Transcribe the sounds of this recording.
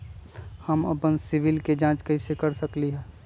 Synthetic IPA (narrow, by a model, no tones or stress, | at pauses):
həmɐpənsɪʋɪlked͡ʒãːt͡ʃkɐisekəɾsəkliɦɛː